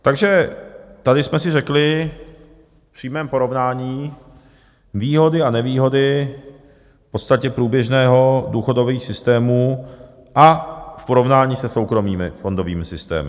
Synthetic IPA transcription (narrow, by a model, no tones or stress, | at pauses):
t̪aɡʒɛt̪adɪsmɛsɪrɛklɪ | fpr̝̥iːmɛːmpo̞ɾo̞vnaːɲiː | viːɦo̞dɪanɛviːɦo̞dɪ | pot̪st̪acɛpɾuːbjɛʒnɛːɦo̞duːxo̞do̞viːxsɪst̪ɛːmuː | ʔafpo̞ɾo̞vnaːɲiːsɛso̞wkɾo̞miːmɪ̰fo̞ndo̞viːmɪsɪst̪ɛ̰ːmɪ